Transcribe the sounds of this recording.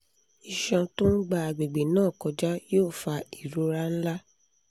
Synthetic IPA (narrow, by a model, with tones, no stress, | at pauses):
i˨ʃã˧to˦n̩˦ɡ͡ba˧a˨ɡ͡be˨ɡ͡be˨nãː˦˨kɔ˧d͡ʒa˦joː˦˨fa˧i˨ɾo˦ɾa˦n̩˦la˦